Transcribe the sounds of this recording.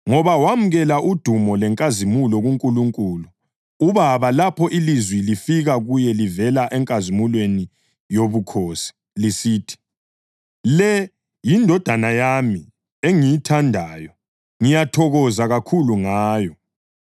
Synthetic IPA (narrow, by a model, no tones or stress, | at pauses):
ŋɔβawamuɣɛlaʔud̥ʱumɔlɛŋkʼazimulɔɣuŋkʼuluŋkʼuːlu | uβaβalapʰɔʔilizwilifiɣaɣujɛlivɛlaʔɛŋkʼazimulweni | joβukʰoːsi̥ | lisiːtʰi̥ | lɛ | jindʱɔd̥ʱanajami | eŋijitʰandʱaːjɔ | ŋijatʰɔɣɔzaɣakʰuluŋaːjɔ